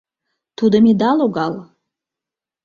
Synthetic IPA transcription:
t̪ʰud̪əmid̪ɑloɡɑl

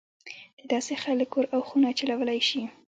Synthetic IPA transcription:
d̪̥əd̪ɑsexaləkoɾawxunat͡ʃalawəlajʃi

